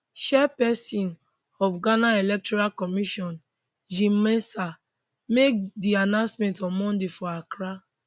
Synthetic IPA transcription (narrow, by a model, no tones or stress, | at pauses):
ʃɛpɛsĩn | ɔfɡanaelɛk̚tɔɾalkɔmiʃɔ̃n | d͡ʒĩmesa | mek̚dianãnsmɛ̃ntɔmɔ̃ndefɔakɾa